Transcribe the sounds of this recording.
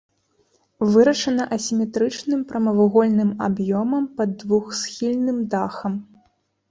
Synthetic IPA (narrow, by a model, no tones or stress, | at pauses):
vɨɾɐʂɐnɐʔɐsʲimʲɛt̪ɾɨt͡ʂnɨmpɾɐmɐvuɣɔlʲnɨmabjɔmɐmpɐd̪ːvuxsxʲilʲnɨmd̪axɐm